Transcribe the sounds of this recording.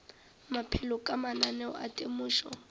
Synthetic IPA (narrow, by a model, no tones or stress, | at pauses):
mapʰɛlɔkʼamananɛɔ̰ʔa̰tʼemuːʃɔ